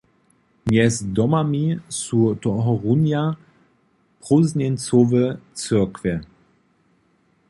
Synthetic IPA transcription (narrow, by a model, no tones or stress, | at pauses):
mjɛsd̪ɔmamisutɔɦɔʁunja | pʁuznɛnt͡sovət͡søɐkvɛ